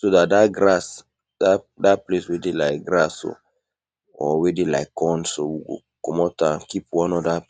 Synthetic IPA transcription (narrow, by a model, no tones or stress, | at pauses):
soðat̚daɡɾas | da | datpleswedelaɪk̚ɡɾaso̰ | ɔwedelaɪkːɔ̃nsowuɡo̰ | kɔmɔtakipwãnɔda